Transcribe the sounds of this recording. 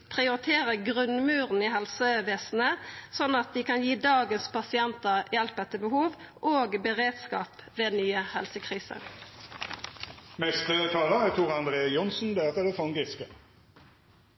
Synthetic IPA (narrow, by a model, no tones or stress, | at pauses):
pʰʁɪʊʁɪt̪ʰeːʁəɡʁʉnmʉːʁniɦɛlsəʋeːsn̩əsɔnːɑt̪̚d̪iːkɑnjiːd̪ɑːɡənspʰɑsɪɛnt̪əʁjɛlpɛt̪ːəbəhuːʋʔoːɡbəʁeːd̪skɑ̰ːpʋeːnyːəhɛlsəkʰʁiːsə̰ʁ | mɛst̪ət̪ʰɑːləæt̪ʰuːʁɑnd̪ʁeːjʊnsn̩d̪ɛɛt̪əd̪ɛfɔŋɡɪskə